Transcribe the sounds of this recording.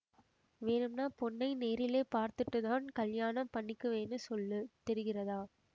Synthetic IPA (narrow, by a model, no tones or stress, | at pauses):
ʋeːɳɯmnaːpɔɳːɐɪneːɾɪleːpaːɾt̪ɯʈːɯðaːnkɐljaːɳɐmpɐɳːɪkːɯʋeːnːɯsɔlːɯt̪ɛɾɯɣɪrɐðaː